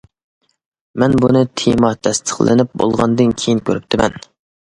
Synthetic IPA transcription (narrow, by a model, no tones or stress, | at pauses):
mɛnbunɨt̪ʰemɑt̪ʰɛst̪ʰə̥χlˠʔɪ̰nɪp̚bo̰lˠʁɑ̰nd̪ɨnkʲʰejinkʲʰøɾyp̚t̪ʰɪmɛn